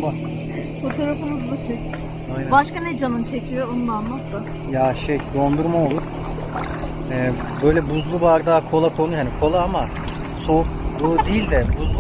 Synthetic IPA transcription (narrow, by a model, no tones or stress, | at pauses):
a | fot̪ʰoɾafɯmɯzbit͡ʃʰec | ajnabaʃkaned͡ʒanɯnt͡ʃʰecʰyjoonlˠanmasa | jaʃɛjd̪o̞nd̪uɾmaolˠuɾ | ɛː | bø̞jlʲɛbuzlˠuvaɾd̪aːkʰo̞lˠakʰo̞nuhanikʰo̞lˠaːama | soɯd̪ilʲd̪ɛbuzˠ